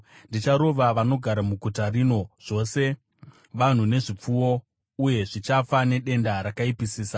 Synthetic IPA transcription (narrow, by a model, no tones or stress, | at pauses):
ndit͡ʃaɾo̞ʋaʋano̞ɡʱaɾamuɡʱutarino̞ʐ̥o̞ːse̞ | ʋan̤une̞ʐip͡fuwo̞ | uje̞ʐit͡ʃafane̞ɗe̞ndaɾakaipisiːsa